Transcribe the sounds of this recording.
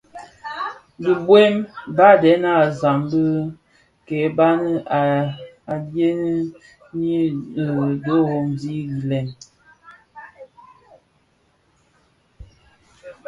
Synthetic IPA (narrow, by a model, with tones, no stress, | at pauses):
də˨bwe˦mba˦˨dɛ˨˦na˦˨za˨mbə˦ | kɛ˨˦ba˦nə˦a˨ | a˨dje˦nə˦ | ɲi˦˨ | do˦ɣo˦mdi˦ɡi˨lɛ˨n